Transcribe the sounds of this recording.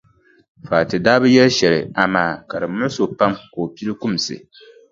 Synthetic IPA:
faː˨tɨ˨daː˦bɨ˦jɛ˦lʃɛ˨lɪ̰˨a˨maː˨ka˨ɾɨ˨mʊ˦so˨pa˦mko˨pi˦ɾɨ˦kʊ˦˨m˨sɨ̰˨

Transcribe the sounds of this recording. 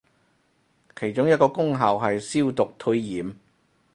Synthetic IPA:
kʰe˨˩jt͡ʃʊ˥ŋjɐ˥kɔː˧kʊ˥ŋɦɐː˨˩wɦɐ˨jsiː˥wt̪ʊ˨k̚t̪ʰɵ˧jjiː˨˥m

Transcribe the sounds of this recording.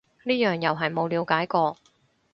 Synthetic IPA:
niː˥jœː˨˩ŋjɐ˨wɦɐ˨jmo˨˧wliː˨˧wkaː˨˥jkɔː˧

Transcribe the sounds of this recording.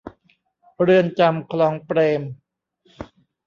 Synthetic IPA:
ɾɯ˧ənt͡ɕa˧mkʰlɔː˧ŋpɾeː˧m

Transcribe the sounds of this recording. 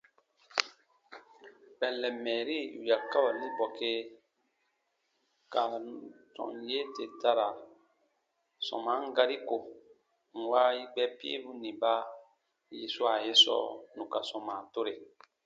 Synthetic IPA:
bɛ̃˨lːɛ˨mɛː˨ɾi˦u˨ja˨ka˦ba˨nĩ˦bɔ˨ke˦ | ka˨nu˨tɔ̰̃˨n˨je˦te˨ta˦ɾa˨ | sɔ̰̃˨mã˨˦ŋ˦ɡa˦ɾi˦ko˨ | ŋ̩˨wa˦i˦ɡ͡bɛ˦pi˦ḛ˦bu˦nĩ˨ba˦ | ji˦su˦a˨je˦sɔ̰˦˨nũ˨ka˨sɔ̃˨mã˨to˦ɾe˨

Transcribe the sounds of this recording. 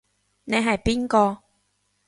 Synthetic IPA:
ne˨˧jɦɐ˨˩jpi˥nkɔː˧

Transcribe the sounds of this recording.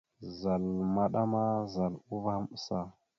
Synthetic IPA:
za˨lma˦ɗa˦ma˦za˨lu˦va˦mə˦sa˦

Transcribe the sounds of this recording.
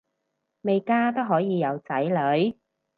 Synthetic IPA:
me˨jkaː˥t̪o˥wɦɔː˨˥jiː˨˧jɐ˨˧wt͡sɐ˨˥jlɵ˨˥ɥ

